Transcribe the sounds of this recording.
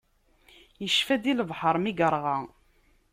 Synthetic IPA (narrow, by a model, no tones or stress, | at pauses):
jəʃfæd̪ilvħəɾˤmiɡəɾˤʁɑ